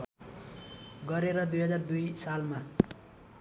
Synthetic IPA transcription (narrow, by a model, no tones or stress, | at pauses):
ɡʌɾeɾʌd̪ujɦʌd͡zard̪ujsalma